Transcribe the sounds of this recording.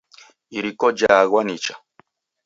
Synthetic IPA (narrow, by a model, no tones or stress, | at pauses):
iɾikɔd͡ʒaɣwanit͡ʃḁ